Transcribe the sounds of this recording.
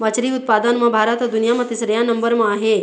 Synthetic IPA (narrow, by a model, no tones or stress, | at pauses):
ʋət͡ʃɾiʊt̪̚pad̪ənmãbʱaːɾət̪ʋəd̪unijamɐ̃t̪isɾjanɐmbəɾmãːɦe